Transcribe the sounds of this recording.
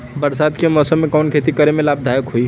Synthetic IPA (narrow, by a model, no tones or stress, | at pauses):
bəɾsad̪kemɔsəmːekankʰet̪ikəɾemelab̚d̪ʱajəkɦoj